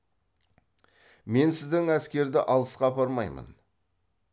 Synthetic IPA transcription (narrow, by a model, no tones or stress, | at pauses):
me̞nsɪzd̪ɪŋæskʲe̞ɾd̪ɪʔɑlˠəsqɑpʰɑɾmɑjmə̰n